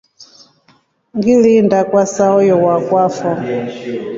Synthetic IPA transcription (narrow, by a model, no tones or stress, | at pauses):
ŋɡilindakwasaɔjɔwakwafɔ